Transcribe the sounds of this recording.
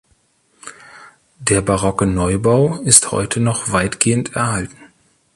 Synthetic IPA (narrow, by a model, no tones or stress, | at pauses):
d̥eːɐbaʁɔkənɔʏbaʊɪsthɔ̰ʏtʰənɔχv̥aɪtɡ̥eːəntɛɐhaltn̩